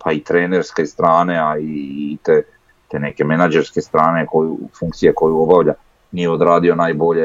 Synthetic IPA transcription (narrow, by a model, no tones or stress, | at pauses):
pʰait̪ɾe̞ːne̞ɾske̞st̪ɾaːne̞ait̪e | t̪ene̞ke̞menad͡ʒe̞ɾske̞st̪ɾaːne̞ko̞jufuŋk̚t̪sijeko̞juo̞baʋʎa | nijeod̪ɾaːd̪io̞naːjbo̞ʎe